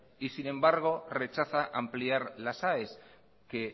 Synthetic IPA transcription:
isinẽ̞mbaɾɣ̞o̞re̞t͡ʃaθaʔampliaɾlasaes | ke

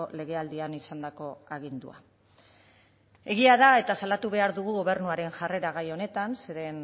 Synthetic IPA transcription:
ole̞ɣ̞e̞ald̪ianisand̪ako̞aɣ̞ind̪ṵa̰ | e̞ɣ̞iaðae̞t̪asalat̪uβ̞e̞aɾðuɣ̞uɣo̞β̞e̞ɾrnuaɾe̞nʝare̞ɾaɣ̞ajo̞ne̞t̪anse̞ɾe̞n

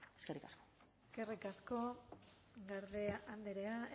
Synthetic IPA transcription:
eskerikasko̥ | eske̞rikasko̞ | ɡaɾðe̞and̪eɾea

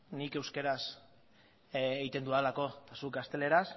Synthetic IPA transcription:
nike̞wske̞ɾas | eɣjt̪e̞nd̪ualako̞t̪asuk̚ɡast̪e̞le̞ɾas

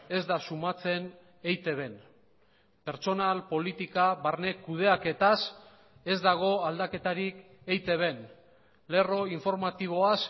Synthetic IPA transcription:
e̞zd̪asumat͡se̞n | ejt̪e̞βe̞n | pe̞ɾt͡ʃo̞nalpo̞lit̪ikaβaɾne̞kuð̞e̞ake̞t̪as | e̞zd̪aɣ̞o̞ald̪ake̞t̪aɾik | e̞jt̪e̞βe̞n | le̞ro̞iɱfo̞ɾmat̪iβ̞o̞as

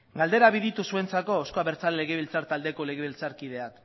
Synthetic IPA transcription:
ɡald̪e̞ɾaβiðit̪usue̞nt͡sako̞oskoaβe̞ɾt͡salːe̞ɣe̞βilt͡saɾt̪ald̪e̞ko̞le̞ɣ̞e̞βilt͡saɾkið̞e̞ak

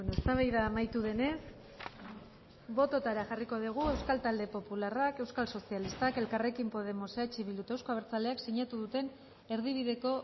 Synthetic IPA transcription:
enoest̪aβajðaːmajt̪uðe̞ne̞s | bo̞t̪o̞t̪aɾaʝariko̞ð̞iɣ̞ue̞wskalt̪ald̪e̞po̞pularake̞wskalso̞sialist̪ake̞lkare̞kimpo̞ð̞e̞mo̞seat͡ʃiβild̪ut̪ewsko̞aβeɾt͡sald̪e̞akseɲat̪uðut̪e̞n | e̞ɾð̞iβ̞iðe̞ko̞

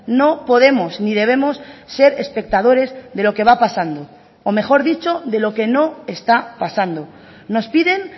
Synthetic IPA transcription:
no̞po̞ð̞e̞mo̞snið̞e̞β̞e̞mo̞sːe̞ɾespe̞k̚t̪aðo̞ɾe̞zðe̞lo̞ke̞β̞apasand̪oː | me̞xo̞ɾðit͡ʃo̞ðe̞lo̞ke̞no̞e̞st̪apasand̪o̞ | no̞spiðe̞n

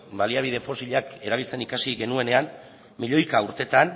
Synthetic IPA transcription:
baliaβ̞iðe̞fo̞siʎake̞ɾaβ̞ilt͡se̞nikasiɣe̞nue̞ne̞an | miʎo̞jkauɾt̪e̞t̪an

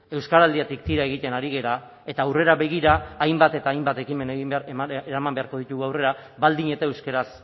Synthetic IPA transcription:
e̞wskaɾald̪iat̪ik̚t̪iɾae̞ɣ̞it̪e̞naɾiɣe̞ɾa | e̞t̪aːwre̞ɾaβe̞ɣ̞iɾaːjmbat̪e̞t̪aːjmbat̪e̞kime̞neieɾamambe̞aɾko̞ðit̪uɣuawre̞ɾa | βald̪iɲe̞t̪aewske̞ɾas

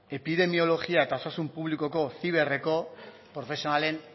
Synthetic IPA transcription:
e̞piðe̞mio̞lo̞ɣiae̞t̪aosasumpuβliko̞ko̞θiβ̞e̞re̞ko̞ | pɾo̞fe̞sionale̞n

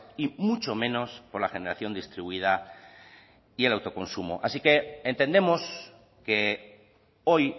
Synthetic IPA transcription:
imut͡ʃo̞mẽ̞no̞spo̞ɾlaxe̞ne̞ɾaθjo̞nd̪ist̪ɾiβuið̞a | ie̞lawt̪o̞ko̞nsumo̰ʔasike̞ent̪e̞nd̪e̞mos | ke̞ | o̞j

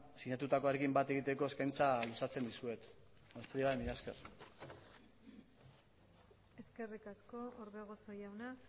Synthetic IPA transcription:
siɲat̪ut̪ako̞aɾe̞kimbat̪e̞ɣit̪e̞ko̞e̞skajnt͡salusat͡se̞nd̪isue̞t̪ | ast̪ɾiβaemiɾaske̞̰r | e̞ske̞rikasko̞oɾβeɣ̞oso̞jawna

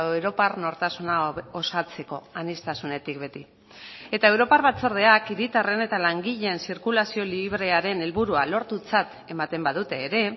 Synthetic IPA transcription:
ewɾo̞parno̞ɾt̪asunao̞sat͡se̞ko̞̰anist̪asune̞t̪ikbe̞t̪i | e̞t̪ae̞wɾo̞parβat͡so̞ɾð̞e̞akiɾit̪are̞ne̞t̪alaŋɡiʎe̞nsiɾkulasio̞liβɾe̞aɾe̞ne̞lβuɾualo̞ɾt̪ut͡sat̪ | e̞mat̪e̞mbaðut̪e̞ːɾe̞

